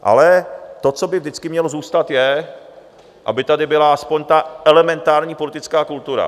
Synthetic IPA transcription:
ʔa̰lɛt̪o̞t͡so̞bɪvdɪt͡skɪmɲɛlozuːst̪at̪jɛ | ʔa̰bɪt̪adɪbɪlaaspoɲt̪aʔɛlɛmɛnt̪aːɾɲiːpolɪt̪ɪt͡skaːkult̪uɾa̰

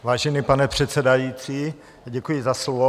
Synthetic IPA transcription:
vaːʒɛnipanɛpr̝̥ɛt̪t͡sɛdajiːt͡siː | ɟɛkujɪzaslovo

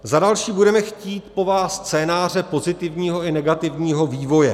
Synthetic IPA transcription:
zadalʃiːbudɛmɛxciːt̪po̞vaːsːt͡sɛːnaːr̝ɛpo̞zɪt̪ɪvɲiːɦo̞ɪnɛɡat̪ɪvɲiːɦo̞viːvo̞jɛ

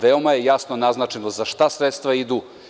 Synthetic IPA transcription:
ʋeomaje̞jasnonaznat͡ʃenozaʃt̪asɾet̪st̪ʋaid̪uː

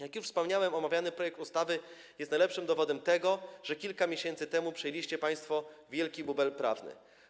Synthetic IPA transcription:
jakjuʂfspɔmɲawɛmɔmavʲjanɘpɾɔjɛk̚t̪ust̪avɘ | jɛst̪najlɛpʂɘmd̪ɔvɔd̪ɛmt̪ɛɡɔʐ̥ɛkʲilkamʲeɕɛnt̪sɘt̪ɛmupʂɛjelʲiɕt͡ɕɛpaj̃st̪fɔvʲjɛlkʲibubɛlpɾa̰vnɘ̰

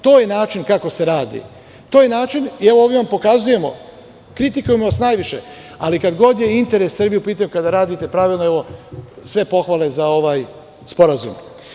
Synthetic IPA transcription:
t̪o̞ːjenaːt͡ʃinkako̞se̞ɾaːd̪ḭ | t̪o̞ːje̞naːt͡ʃinieʋooʋiʋampo̞kazuje̞mo̞̰ | kɾit̪ikujemoʋasnajʋiʃe̞̰ | alikad̪ɡo̞d̪je̞int̪e̞ɾessr̩bijupiːt̪aɲukad̪aɾaːd̪it̪e̞pɾaːʋilˠnoeʋo̞sʋe̞po̞xʋale̞zao̞ʋaːj | spo̞ɾazṵm

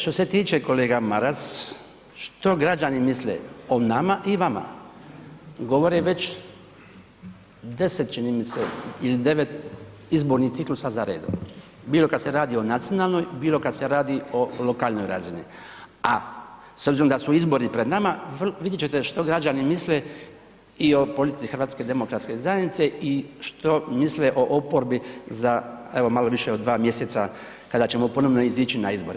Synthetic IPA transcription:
ʃt̪o̞se̞t̪iːt͡ʃe̞ko̞le̞ːɡamaɾas | ʃt̪o̞ɡɾad͡ʒanimislḛo̞namaʔiʋama̰ | ɡo̞ʋo̞ɾeʋe̞t͡ʃ | d̪e̞set̪̚t͡ʃinimiseilid̪e̞ʋe̞t̪ | izboɾnit̪siklusazaɾe̞ːd̪o̰ | biːlo̞kad̪se̞ɾaːd̪io̞nat̪sijonaːlˠno̞jbiːlo̞kad̪seɾaːd̪io̞lo̞kaːlno̞jɾa̰zinḭ | a | sobziɾomd̪asuizbo̞ɾipɾe̞d̪namaʋʋid̪jet͡ʃet̪e̞ʃt̪o̞ɡɾad͡ʒanimisle | io̞po̞lit̪it̪ixɾʋaːt̪sked̪e̞mo̞kɾat̪ske̞zaje̞nit̪se̞iʃt̪o̞misle̞ʔo̞ʔopoɾbizae̞ʋo̞malo̞ʋiʃe̞o̞d̪dːʋaːmje̞set̪sa | kad̪at͡ɕe̞mo̞po̞no̞ʋno̞izit͡ʃinaizbo̞ɾe

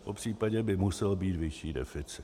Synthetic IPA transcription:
popr̝̥iːpaɟɛbɪmusɛlbiːt̪vɪʃiːdɛ̰fɪt͡sɪ̥

